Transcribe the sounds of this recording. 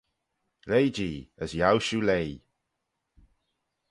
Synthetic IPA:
lejd͡ʒiːəzjawʃulej

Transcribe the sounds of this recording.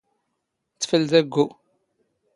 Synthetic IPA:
t͡sːfəlðæɡːu

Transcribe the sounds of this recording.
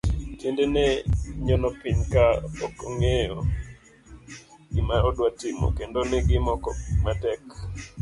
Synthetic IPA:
tjendenɛɲɔnɔpɪɲkaɔkɔŋejɔ̰ | imaɾɔdwatɪmo̰kendonɪɡɪmɔkɔmatɛk

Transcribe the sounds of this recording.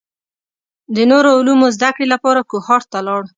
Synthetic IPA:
d̪ənoɾoʊlumozd̪akɽelapɑɾakuhɑɾt̪alɑɽ

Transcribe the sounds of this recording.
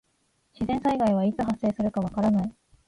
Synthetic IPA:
ɕizẽ̞ɰ̃saiɡaiβait͡sɨɦasːe̞ːsɨɾɯ̟kaβ̞akaɾanai

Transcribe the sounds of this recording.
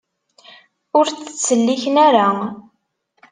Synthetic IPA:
ʊɾt͡sə̥t͡sːəlːiçənæɾa

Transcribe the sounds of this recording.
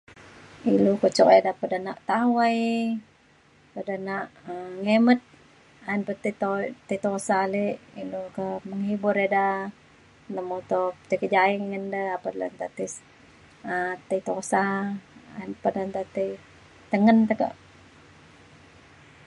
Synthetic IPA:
ilukət͡ʃɔkedapədanaʔt̪awaj | pədanaʔŋemət̪̚ | aənpət̪it̪ot̪et̪osaleʔilukəməŋhibʊɾeda | nd̪amot̪ot̪əkəd͡ʒaiŋŋəndəapadlə̰nt̪at̪is | ət̪ət̪osaa̰ənpədant̪at̪əj | t̪əŋənt̪əkə̰ʔ

